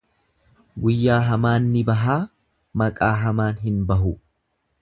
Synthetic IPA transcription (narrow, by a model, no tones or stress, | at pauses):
ɡʊjːaːɦɐmaːnːɪbɐɦaː | mɐkʼaːɦɐmaːnɦɪnbɐɦʊ